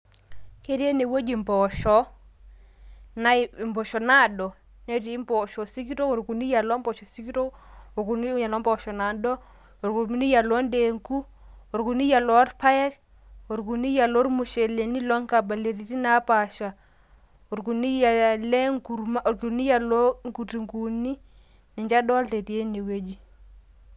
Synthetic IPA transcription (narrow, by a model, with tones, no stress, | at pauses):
ke˦ɾe˦ne˨wo˦d͡ʒi˨mbɔ˨ʃɔ˦ | na˨˦˨mbɔ˨ʃɔ˨na˦˨dɔ˨ | nɛ˦ti˨˦mbɔ˨ʃɔ˨si˦ki˦to˦o˨ɾku˨ni˦ja˨lɔ˦mbɔ˨ʃɔ˨si˦ki˦to˦o˨ku˨n˦ja˨lɔ˦mbɔ˨ʃɔ˨na˨dɔ˦ | o˨ɾku˨m˦ni˦ja˨lɔ˦nde˨ŋku˦ | o˨ɾku˨ni˦ja˨lɔ˨˦ɾpa˦jɛ˦k | o˨ɾku˨ni˦ja˨lɔ˦ɾmu˨ʃɛ˨le˨ni˦lɔ˦ŋ˦ka˨ba˨le˨ɾi˨ti˦na˨˦pa˨ʃa˨ | o˨ɾku˨ni˦ja˨lɛ˦ŋku˨ɾma˦o˨ɾku˨ni˦ja˨lɔ˦ŋku˨ti˨ŋku˨ni˦ | nɛ˨ɲd͡ʒa˦ɗɔ˦lte˨ti˨e˦ni˨we˦d͡ʒi˦